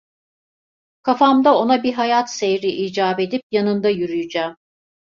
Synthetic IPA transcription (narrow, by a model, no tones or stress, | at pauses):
kʰafamd̪ao̞nabiɦajat̪sejɾiʔiːd͡ʒaːbe̞d̪ip̚janɯnd̪ajyɾyjyd͡ʒaːm